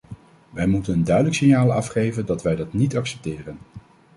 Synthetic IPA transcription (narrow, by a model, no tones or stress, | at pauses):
ʋɛjmutənəndœɥdələksɪnjaːlˠɑfχejvəndɑtʋɛjdɑtnitɑksɛ̥p̚tɪːrən